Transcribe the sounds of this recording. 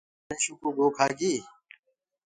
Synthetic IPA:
ẽːɕukuːɡoːkʰaːɡiː

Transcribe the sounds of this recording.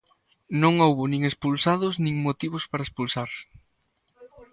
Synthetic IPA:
nõŋowβʊnĩŋespulsaðʊsnĩŋmot̪iβʊspaɾaespulsaɾsɪ̥

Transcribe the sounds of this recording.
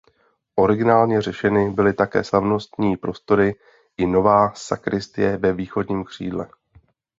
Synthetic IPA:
ʔo̞ɾɪɡɪnaːlɲɛr̝ɛʃɛnɪbɪlɪt̪akɛ̰ːslavno̞st̪ɲiːpɾo̞st̪o̞ɾɪ | ʔɪno̞vaːsakɾɪst̪ɪjɛvɛviːxo̞dɲiːmkr̝̥ḭːdlɛ

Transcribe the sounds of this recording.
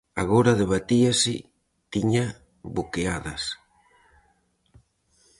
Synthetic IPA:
aɣoɾaðeβ̞at̪iasɪ | t̪iɲa | βokeaðɐ̰s

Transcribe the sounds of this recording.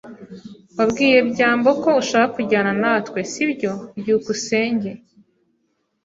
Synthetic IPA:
wabɡiːje̞bɟaːmbo̞ko̞uʃaːkakuɟaːnanaːtkwe̞sibɟo̞bjuːkuse̞ːɲɟe̞

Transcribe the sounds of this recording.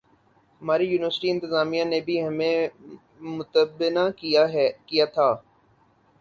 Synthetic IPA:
ɦɐmaːɾijuːnɪʋəɾsʈiɪ̃nt̪ɪzaːmijãnebʱiɦɐmẽ | mʊt̪əbɪnakiaɦkijat̪ʰaː

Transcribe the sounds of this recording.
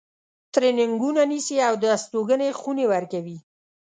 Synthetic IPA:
t̪ɾenɪŋɡunanisiawd̪əast̪oɡənexunewaɾkawi

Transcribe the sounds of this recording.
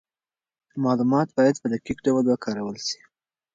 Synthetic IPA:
mɑlumɑt̪̚bɑjad̪̚pəd̪akikɖawald̪wakɑɾawəlʃi̥

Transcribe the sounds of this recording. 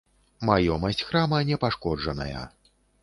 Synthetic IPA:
majɔmɐsʲt͡sʲxɾamɐnʲɛpaʂkɔd͡ʐɐnɐ̰jɐ̰

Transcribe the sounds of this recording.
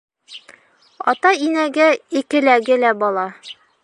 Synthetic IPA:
ɒ̰t̪ɑinæɡæikɘ̆læɡɘlæbɒlˠɑ

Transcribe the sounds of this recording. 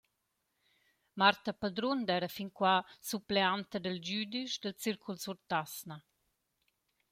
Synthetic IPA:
maɾt̪apad̪ɾund̪ɛɾɐfinkwasupleant̪əd̪əld͡ʒyd̪iʃd̪əlt͡siɾkʰulsuɾt̪asna

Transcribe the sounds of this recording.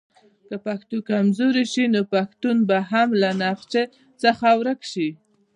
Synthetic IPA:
kapaxt̪okamzoɾiʃinopaxt̪unbaɦamlanaqt͡ʃe | t͡səxawɾəkʃi

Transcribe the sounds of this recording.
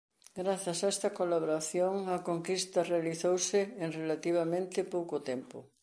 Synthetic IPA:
ɡɾaθjɐsaɛst̪ɐkolaβoɾaθjoŋɐkoŋkist̪ɐrealiθowsɪːŋrelat̪iβ̞amẽnt̪ɪpowkot̪ɛmpʊ

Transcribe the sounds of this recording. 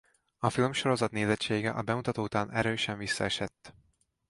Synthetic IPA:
ɒfilmʃo̞ɾo̞zɒt̪neːzɛt͡ʃeːɡɛ̰ʔɒbɛmut̪ɒt̪oːut̪aːnʔɛɾøːʃɛɱvisːɒ̰ɛʃɛt̪ː

